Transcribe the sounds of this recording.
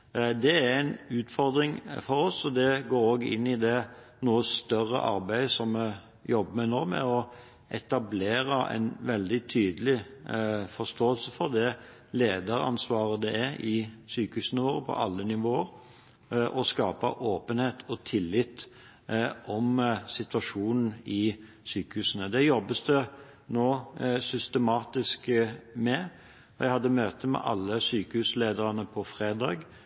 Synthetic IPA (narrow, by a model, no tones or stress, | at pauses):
d̪ɛææɪnʉːt̪fɔɾd̪ɾɪŋfɔɾɔsɔd̪ɛɡoːɾoːɡɪ̰nːɪd̪ɛ | nuːəst̪œɾə̰ʔɑ̰ɾbæɪd̪sɔmːə | jɔbːəmɛnoːmɛ̰ɔ | ʔɛt̪ɑbleːɾəʔɛ̰nʋɛld̪ɪt̪ʰyːd̪əlɪ | fɔst̪oːəlsəfɔɾd̪ɛ | leːd̪əɾɑ̰nsʋɑːɾəd̪ɛɛɾʔɪsyːkəhʉːsn̩əʋoːɾəpʰɔ̰ʔɑlːənɪʋoːəɾ | ʔɔskɑːpə̰ʔoːpənheːt̪ʰɔt̪ʰɪlːɪt̪ː | ɔmsɪt̪ʋɑʂuːnn̩ɪ | syːkəhʉːsənəd̪ɛjɔbːəsd̪ə | noːsʏst̪əmɑːt̪ɪskmɛ | ʋæɪhɑd̪ːəmøːt̪əmɛ̰ʔɑ̰lːəsyːkəʉːsleːd̪əʁɑnəpʰɔfʁeːd̪ɑːɡ